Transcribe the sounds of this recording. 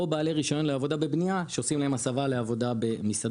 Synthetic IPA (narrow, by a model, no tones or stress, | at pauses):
obaːle̞ʁiʃo̞nonleavo̞d̪abe̞bnijaʃe̞osimlahemasavale̞avo̞d̪abe̞misad̪